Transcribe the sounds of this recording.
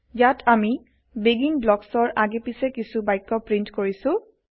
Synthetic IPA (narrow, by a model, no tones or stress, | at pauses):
jatʰami | beɡiŋblɔksɔɹʔaɡepisɛkisubajkːɔpɹintkoɹisʊ̃